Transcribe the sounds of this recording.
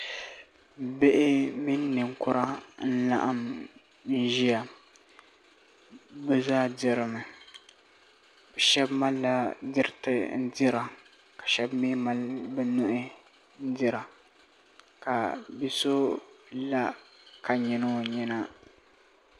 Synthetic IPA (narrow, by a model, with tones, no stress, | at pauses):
be˦ʔɪ˦mi˦nː˦ɨ˨ŋkʊ˦ɾa˦n̩˦la̰˦ʔa˦m | n̩˦ʒi˦ja˨ | bɛ˦zaː˦dɪ˦ɾɨ˨mɨ˨ | bɛ˨ʃɛ˦bma˦lːa˦dɪ˦ɾɪ˦tɨ˨n̩˦dɪ˦ɾa˨ | kḁ˨ʃɛ˦bmi˦ma˦lbɨ˦nʊ˦ʔɪ˦ | n̩˦dɪ˦ɾa˨ | ka˨bi˦so˦la˦ka˨ɲɛ˨no˦ɲɛ˦na˦